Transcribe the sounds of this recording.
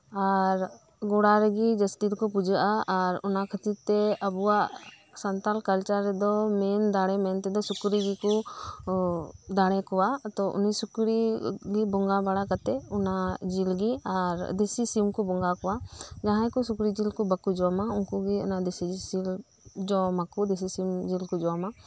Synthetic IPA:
aɾ | ɡɔɽaɾɛɡid͡ʒəsʈit̪kɔp̬ud͡ʒaʔaːɾɔ̰nakʰət̪it̪ɛəbuwaʔ | sənt̪alkəlt͡ʃəɾːɛd̪ɔmɛnd̪aɽ̃ɛmɛnt̪ɛd̪ɔsukɾiɡikɔ | d̪aɽ̃ɛkɔwat̪ɔʔṵnisukɾiɡibɔŋɡabaɽakat̪ɛunad͡ʒilɡiaɾd̪esisimkɔbɔŋɡakɔwad͡ʒaɦãjkusukɾid͡ʒilkɔbakud͡ʒɔwamaunkuɡiṵnad̪esisil | d͡ʒɔmakud̪es̬isimd͡ʒilkɔd͡ʒɔwama

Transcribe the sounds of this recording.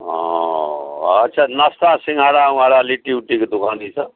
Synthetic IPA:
ɦɔ̰ | tːsʰanast̪asiŋɡʱaɾauɦãɾaliʈiuʈiked̪ukʰãd̪it͡sʰʌ

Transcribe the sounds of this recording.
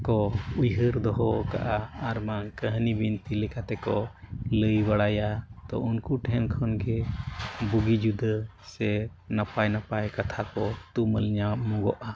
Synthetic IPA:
kɔujɦəɾd̪ɔɦɔka̰ʔaːɾmankəɦnibint̪ilɛkat̪ɛkɔləjbaɽajat̪ɔ̰unkuʈɛnkʰɔnɡɛ | buɡid͡ʒud̪ə | sɛ | napajnapajkat̪ʰakɔt̪uməlɲamɔɡɔʔa

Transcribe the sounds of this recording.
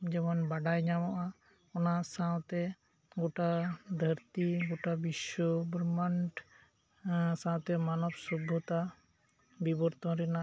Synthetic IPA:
d͡ʒɛmɔnbaɖajɲamɔʔa | ɔnasãwt̪ɛ | ɡoʈad̪ʱəɾt̪iɡoʈabiʃɔbɾməɳʈ | sãwt̪ɛmanɔbsubʱːɔt̪a | bibɔɾt̪ɔɾɛna

